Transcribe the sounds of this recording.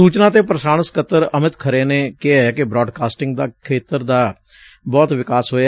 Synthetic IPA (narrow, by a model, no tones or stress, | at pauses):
uːt͡ʃnãːt̪eːpɾəsaːñəskət̪ːəɾəmɪt̪kʰəɾeːneːkɪaɛːkɪbɾɔːɖkaːsʈɪŋɡd̪aːkʰeːt̪əɾd̪aː | bɔːt̪ʋɪkaːsɦoːa